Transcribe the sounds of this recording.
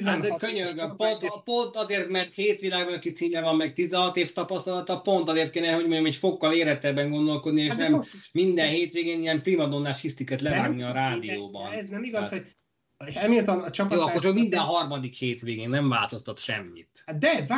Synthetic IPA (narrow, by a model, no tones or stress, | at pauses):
akøɲørɡpont̪po̞nt̪ɒzeːrt̪mɛrt̪heːt̪ʋilaːɡbɒnɒkit̪siːmɛvɒmːɛkt̪izɛɦɒt̪eːft̪ɒpɒst̪ɒlɒt̪ɒpo̞nt̪ɒzeːrt̪̚keːnɛɦoɟmoɲɟomɛcfo̞kːɒleːɾɛt̪ɛbːɛŋɡo̞nd̪o̞lko̞d̪nieːʃʃnɛmːind̪ɛnɦeːt̪ʋeːɡenijɛmprimɒd̪onːaʃist̪ikɛt̪lɛvaːɡɡniɒɾaːd̪ioːbɒ̰nɛznɛmiɡɒsho | ɛmelt̪ɛmt͡ʃɒoɒkort͡ʃɒkmind̪ɛnɦɒrmɒd̪ikheːt̪ʋeːɡeːnnɛɱva̰ːlt̪o̞st̪ɒt̪ʃɛ̰mːḭt̪d̪ɛv